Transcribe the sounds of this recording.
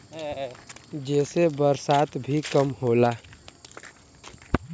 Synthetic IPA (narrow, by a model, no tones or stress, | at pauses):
ɦɛ | d͡ʒɛːsebəɾsaːt̪bʱikəmɦoːlaː